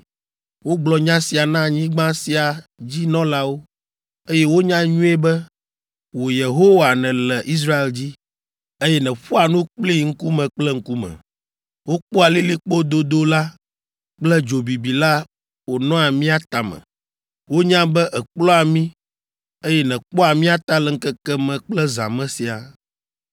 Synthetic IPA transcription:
wo˦ɡ͡blɔ˨ɲã˦si˨a˨nã˦ɲĩ˦ɡ͡bã˦si˨a˨d͡ʑi˦nɔ̃˦la˦wo˦ | e˦jɛ˦wo˦ɲã˦ɲũ˦e˦bɛ˦ | wo˨je˨ɦo˦wa˨nɛ̃˨lɛ˨ʔi˦s̬ɾa˦e˨ld͡ʑi˦ | e˦jɛ˦nɛ̃˨ɸɔ˦a˨nũ˦k͡pli˦ŋ̩˦ku˦mɛ̃˨k͡plɛ˦ŋ̩˦ku˦mɛ̰̃˨ | wo˦k͡pɔ˦a˨li˦li˦k͡po˦d̪o˦d̪o˦la˦ | k͡plɛ˦d͡ʒo˨bi˨bi˨la˦ | wo˨nɔ̃˦a˨mĩ˦a˦t̪a˨mɛ̰̃˨ | wo˦ɲã˦bɛ˦ʔɛ˨k͡plɔ̃˦a˨mĩ˦ | e˦jɛ˦nɛ̃˨k͡pɔ˦a˨mĩ˦a˦t̪a˦lɛ˨ŋ̩˦kɛ˦kɛ˦mɛ̃˨k͡plɛ˦za̰˨mɛ̃˦si˨a˨

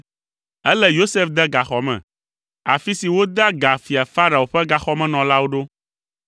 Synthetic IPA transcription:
ɛ˦lɛ˦jo˦se˦fd̪ɛ˦ɡa˨xɔ˨mɛ̰̃˨ | a˨fi˦si˨wo˦d̪a˦ɡa˨fi˨a˨fa˦ɾa˨o˨ɸɛ˦ɡa˨xɔ˦mɛ̃˨nɔ̃˨la˦wo˦ɖo˦

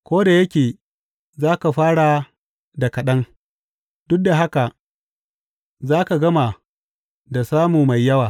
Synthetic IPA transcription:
kʷoː˦da˨jɐ˦kʲeː˨ | zaː˦ka˨ɸaː˦ɽa˨ | da˨kɐ˨ɗɐ˦ŋ | d̥ʊ˦k̚da˨ɦa˦ka˨ʔ | zaː˦ka˨ɡɐ˦ma˨ | da˨saː˦muː˨ma˨jːɐ˦waː˨

